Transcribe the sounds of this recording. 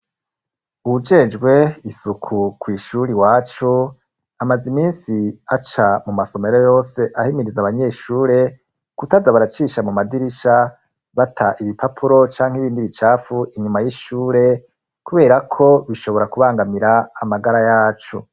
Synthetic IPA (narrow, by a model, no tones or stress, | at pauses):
ud͡ʒe̞d͡ʒɡwe̞isukʰukwiːʃuɾiwaːt͡ʃo | amazimiːnsiat͡ʃamumaso̞me̞ɾojo̞ːse̞ʔahimiɾizaβaɲe̞ːʃuːɾe̞ | kutazaβaɾat͡ʃiːʃamumadiɾiʃa | βatʰaʔiβipʰapʰuɾo̞t͡ʃaːŋ̥iβiːndiβit͡ʃaːfuʔiɲumajiʃuːɾe̞ | kuβe̞ːɾakʰo̞βiʃo̞βo̞ɾakuβaːŋɡamiɾaːmaɡaɾajaːt͡ʃo